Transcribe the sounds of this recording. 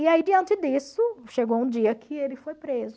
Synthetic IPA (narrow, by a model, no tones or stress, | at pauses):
iaid͡ʒɪɐ̃nt͡ʃɪd̪isʊʃeɡowũd͡ʒiɐkʰɪelɪfojpɾezʊ